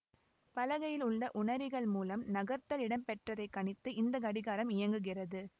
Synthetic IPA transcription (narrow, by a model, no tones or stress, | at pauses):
pɐlɐɣɐjɪlʊɭːɐʔʊɳɐɾɪɣɐɭmuːlɐmnɐɣɐɾt̪ɐlɪɽɐmpɛʈrɐðɐɪkːɐɳɪt̪ːɯʔɪnd̪ɐkɐɽɪɣaːɾɐmɪjɐŋɡɯɣɪrɐðɯ